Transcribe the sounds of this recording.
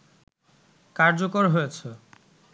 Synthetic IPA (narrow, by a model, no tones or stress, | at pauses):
kaɾd͡ʑokoɾɦojet͡ɕʰe